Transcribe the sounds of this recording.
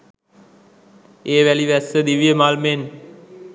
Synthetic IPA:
eːʋæliʋæsəd̪iʋijəmaːlmen

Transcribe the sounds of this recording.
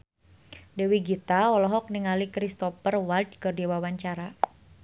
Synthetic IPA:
dɛwiɡit̪aɔlɔɦɔk̚niŋalikɾist̪ɔfərwald̚kɔrdiwawaɲt͡ʃaɾa

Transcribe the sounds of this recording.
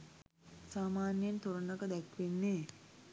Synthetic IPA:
saːmaːnjent̪oɾənəkəd̪ækʋenːeː

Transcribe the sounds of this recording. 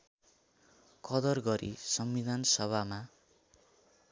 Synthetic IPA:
kʌd̪ʌrɡʌɾʔḭsʌmːid̪ʱansʌβʱama

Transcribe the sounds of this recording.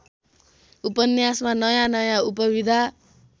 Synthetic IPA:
upʌnjasmanʌjãnʌjãupʌbid̪ʱa

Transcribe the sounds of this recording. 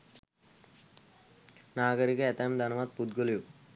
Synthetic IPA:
naːɡəɾikəet̪amd̪ʱɐnɐʋat̪̚pud̪ɡoliju

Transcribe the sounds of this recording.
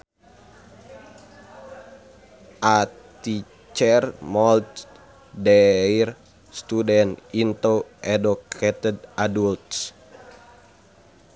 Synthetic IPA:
ʔat̪i | t͡ʃɛrmɔlt̪ | dɛir | st̪udɛnint̪oʔɛdukʰɛt̪ɛdadult̪s

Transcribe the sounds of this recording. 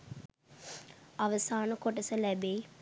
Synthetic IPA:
aʋəsaːnəkoʈəsəlæbeː

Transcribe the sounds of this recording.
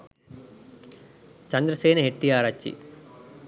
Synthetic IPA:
t͡ʃɐnd̪ɾɐseːnɐɦeʈːijaːɾat͡ʃːḭ

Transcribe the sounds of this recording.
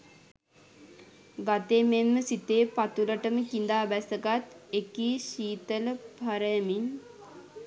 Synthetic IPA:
ɡat̪emenməsit̪eːpat̪uləʈəməkind̪aːbæsəɡat̪ekiːɕiːt̪ələpaɾəjəmin

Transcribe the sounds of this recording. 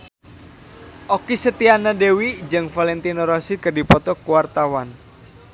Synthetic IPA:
ʔɔkisət̪ianadewid͡ʒɨŋfalɛnt̪inɔɾɔsikərdipɔt̪ɔkuwart̪awan

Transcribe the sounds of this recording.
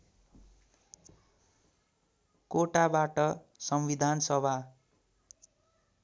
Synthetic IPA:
koʈabaʈʌsʌmbid̪ʱansʌbʱa

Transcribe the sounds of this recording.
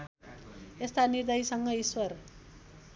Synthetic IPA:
est̪anird̪ʌjsʌŋɡʌiswʌr

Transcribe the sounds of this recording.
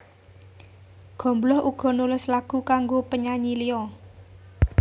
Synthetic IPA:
ɡ̥ɔ̤mblɔhuɡ̥ɔ̤nulʊslaɡ̥ṳkaŋɡopəɲaɲiliɔ

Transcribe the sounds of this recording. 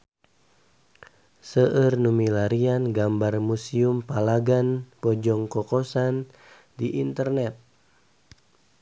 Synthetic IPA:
səʔərnumilaɾianɡambarmusiumpalaɡanpɔd͡ʒɔŋkɔkɔsan | diʔint̪ərnɛt̪̚

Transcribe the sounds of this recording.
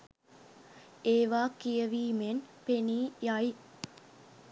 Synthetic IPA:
eːʋaːkijəʋiːmenpeniːjai

